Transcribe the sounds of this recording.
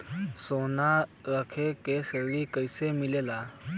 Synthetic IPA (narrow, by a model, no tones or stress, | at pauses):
sonaɾəkʰekeseʋikəjsemilela